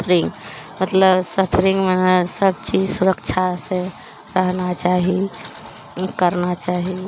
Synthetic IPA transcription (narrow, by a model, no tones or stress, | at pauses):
ɾiŋɡmət̪ləbsət̪ʰɾiŋɡmensəb̚t͡ʃid͡ʒsuɾəkt͡ʃʰase | ɾəɦnat͡ʃaɦi | kəɾnat͡ʃaɦi